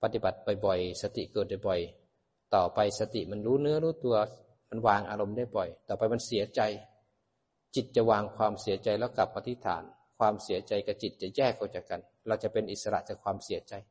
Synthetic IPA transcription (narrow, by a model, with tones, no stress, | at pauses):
pa˧t̪i˧ba˨˩t̪̚bɔ˨˩jbɔ˨˩jsa˧t̪ḭ˨˩kɤː˨˩t̪̚dɔ˨˩jbɔ˨˩j | t̪ɔː˨˩pa˧jsa˧t̪i˨˩ʔma˧nɾuː˦˥nɯ˦˥ɐ˨ɾuː˦˥t̪u˧ɐ | ma˧nwaː˧ŋʔaː˧ɾo˧mdaː˥˩jbɔ˨˩jt̪ɔː˨˩pa˧jma˧nsi˨˦ɐt͡ɕa˧j | t͡ɕi˨˩t̪̚t͡ɕa˨˩waː˧ŋkʰwaː˧msi˨˩˦ɐt͡ɕa˧jlɛː˦˧˩wka˨˩pʔːa˧t̪ʰi˦˥t̪ʰa̰ː˨˩˦n | kʰwaː˧msi˨˩˦t͡ɕa˧jka˧˩t͡ɕi˨˩t̪̚t͡ɕa˨˩jɛː˥˩k̚ːaː˧˩t͡ɕaː˨˩kːa˧˨n | ɾa˧wt͡ɕa˨˩pe˧nʔi˨˩sa˧ɾa̰˧˩ʔt͡ɕaː˨˩kʰwaː˧msi˩˦ɐt͡ɕa˧j